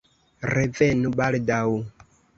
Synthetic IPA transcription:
revenubaldaw

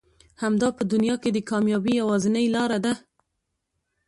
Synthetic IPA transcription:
hamd̪ɑpəd̪ʊnjɑked̪əkɑmjɑbijawɑzɪnəjlɑɾad̪a

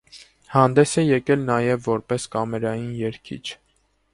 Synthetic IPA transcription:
hɑnd̪ɛsɛjɛkɛlnɑjɛvːɔɾpɛskɑmɛɾɑjinjɛɾkʰḭt͡ʃʰ

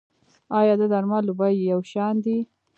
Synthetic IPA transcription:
ɑjɑd̪əd̪aɾmɑlubajjawʃɑnd̪i

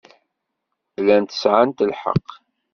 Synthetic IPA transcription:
lænt̪ə̥sʕant̪əlħɑ̰qː

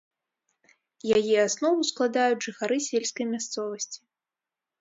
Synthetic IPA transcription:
jajɛasnɔvusklˠad̪ajud͡zʲʐɨxaɾɨsʲelʲskɐjmʲast̪sɔvɐsʲt͡sʲi̥

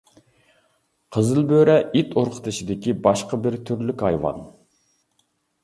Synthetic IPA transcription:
qʰəzɨlˠbøɾɛʔit̪ʰoɾqʰə̥t̪ʰɨʃid̪ɪkʲibɑʃqəbɪɾt̪ʰyɾlykʲɑjwɑ̰n

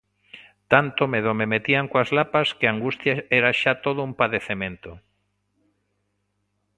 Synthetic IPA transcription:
t̪ant̪omeðomemet̪iaŋkoazlapaskeaŋɡust̪jaɛɾaʃat̪oð̞ʊumpaðeθemẽnt̪o

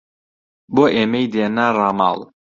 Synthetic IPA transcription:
boʔemejd̪enarama̰lˠ

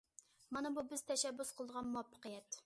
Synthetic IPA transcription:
mɑnɑbubɪz̥t̪ʰɛʃɛbːʊsqʰəlˠəd̪əʁɑnmuwɑpʰːə̥qəjɛt̪

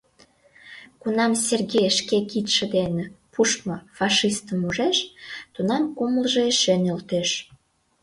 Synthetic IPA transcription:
kunɑmsʲerɣejʃkekit̪ʃĕd̪enepʰuʃmofɑʃist̪əmuʒeʃt̪unɑmkuməlʒeeʃenelt̪eʃ

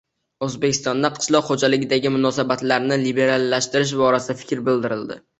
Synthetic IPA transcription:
ɵzbekʲʰɪ̥st̪ɒnd̪aqqʰɨ̥ʃlˠɒqhod͡ʒalɪɡʲɪd̪aɡʲɪmʊnɒsabat̪laɾnɪlibe̞ɾalˠːaʃt̪ɪɾɪʃ̬bɒɾasɪd̪afɪ̥kʲɾbɪld̪ɪɾɪld̪ɪ̰

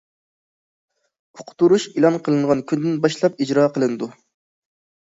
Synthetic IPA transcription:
ʊ̥qʰʊ̥t̪uɾuʃilˠɑnqʰəlˠɨɴʁɑnkʲʰynd̪ɪnbɑʃlˠɑp̚id͡ʒɾɑːqʰəlˠɨnɨd̪u

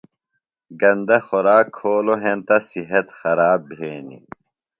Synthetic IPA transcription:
ɡɐnd̪ɐxɔɾaːkʰːoːloɦẽnt̪ɐsiɦɐt̪xɐɾaːbbʱeːnḭ

